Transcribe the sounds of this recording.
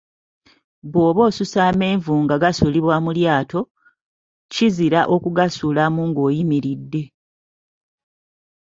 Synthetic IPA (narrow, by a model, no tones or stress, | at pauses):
βo̞ːβo̞ːsusaːme̞ːɱvuːŋɡaɡasuliβwaːmuljaːtʰo̞ | ciziɾaʔo̞kuɡasuːlamuːŋɡo̞ːjimiɾidːe̞